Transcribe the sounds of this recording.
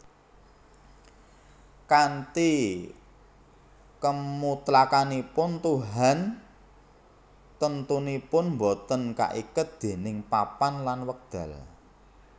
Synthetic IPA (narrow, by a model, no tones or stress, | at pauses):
kant̪i | kəmut̪lakanipʊnt̪uɦan | t̪ənt̪unipʊnmbot̪ənka̰ʔikʊt̪̚d̪̥e̤nɪŋpapanlanwək̚d̪̥a̤̰l